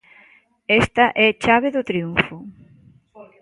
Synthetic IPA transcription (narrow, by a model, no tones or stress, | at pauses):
est̪ɐʔɛt͡ʃaβ̞eðʊt̪ɾiuɱfʊ